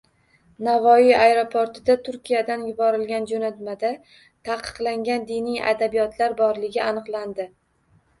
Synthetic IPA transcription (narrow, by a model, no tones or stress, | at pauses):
navɒijajɾopʰoɾt̪ʰɪd̪at̪ʰʊɾkʲijad̪anjʊbɒɾɪlɡʲand͡ʒonat̪mad̪a | t̪ʰaqʰɨ̥qlˠaŋɡʲand̪inɪja̰d̪abijɒt̪ʰlaɾbɒɾlɪɡʲɪʔanɨqlˠand̪ɪ